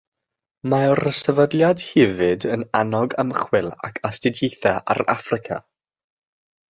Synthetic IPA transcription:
maɔɾəsəvədlˠjad̥hɪvɨdənanɔɡəmχwɪlˠa̰kʰastɪdjejθaʔa̰ɾa̰frɪkʰa̰

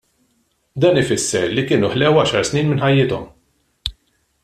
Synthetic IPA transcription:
d̪ɐːnɪfɪsːɛɾlikɪːnuħlɛwɐʃɐɾsniːnmɪnħɐjːɪt̪ɔm

